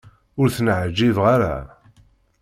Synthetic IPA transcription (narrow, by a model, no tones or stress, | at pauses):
ʊɾθənʕd͡ʒːiðʁaɾa̰